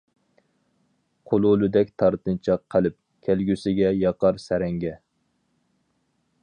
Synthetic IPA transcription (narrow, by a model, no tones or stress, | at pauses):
qʰolˠʊlˠɪd̪ɛkʲt̪ʰɑɾt̪ɨnt͡ʃʰɑqʰːəlɪp̚ | kʲʰælɡʲysɪɡʲɛjɑqɑɾsæɾɛŋɡʲɛ